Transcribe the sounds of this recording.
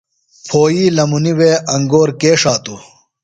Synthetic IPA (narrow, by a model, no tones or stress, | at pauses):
pʰoːjiːlɐmuniweːɐŋɡoːɾkeːʂaːt̪u